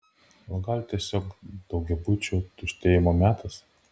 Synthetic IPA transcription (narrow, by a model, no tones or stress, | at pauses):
ʋɐɡɐlʲt̪ʲiɛsʲoːkd̪̥ɒʊɡʲɛbʊt͡ʃʲuːt̪ʊʃʲt̪ʲeːjɪmoːmʲæːt̪ʰɐs